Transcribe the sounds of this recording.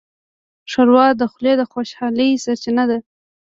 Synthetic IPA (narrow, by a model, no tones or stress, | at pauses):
ʂaɾwɑd̪əxled̪əxwaʃhɑləjsaɾt͡ʃɪnad̪a